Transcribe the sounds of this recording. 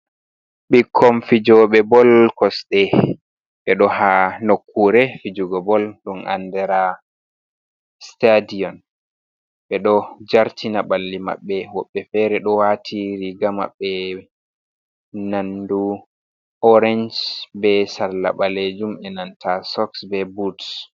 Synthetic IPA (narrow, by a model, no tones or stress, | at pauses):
ɓikʰːɔmfid͡ʒɔɓɛbɔlkɔsɗɛ | ɓɛɗɔhanokʰːuɾɛfid͡ʒuɡɔbɔlɗunʔa̰ndɛɾa | stadiɔn | ɓɛɗɔd͡ʒaɾtinaɓalːima̰ɓːɛwɔɓːɛfɛɾɛɗɔwatʰiɾiɡama̰ɓːɛ | nandu | ʔɔɾɛnd͡ʒbɛsaɾla̰ɓaled͡ʒumɛnantʰasɔksbɛbuts